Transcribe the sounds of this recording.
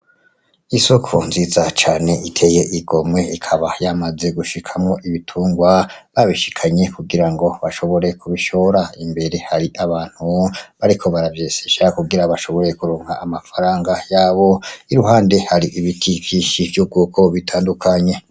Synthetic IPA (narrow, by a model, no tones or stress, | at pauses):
iso̞kʰonziːzat͡ʃaːne̞ʔitʰe̞je̞ʔiɡo̞mŋe̞ikʰaβajamaze̞ɡuʃikʰamŋo̞ʔiβitʰuːŋɡwaβaβiʃi̥kʰaɲe̞kuɡiɾaŋɡo̞βaʃo̞βo̞ɾe̞kʰuβiʃo̞ɾaimbe̞ɾe̞haɾiʔaβaːn̥huβaɾikʰo̞βaɾavje̞ːseʃakuɡiɾaβaʃo̞βo̞ɾe̞kuɾoːŋ̥haːmafaɾaːŋɡajaːβo̞iɾuɦaːnde̞haɾiʔiβitʰikʰiʃivjub̚ɡuːkʰo̞βitʰaːndukʰaɲe̞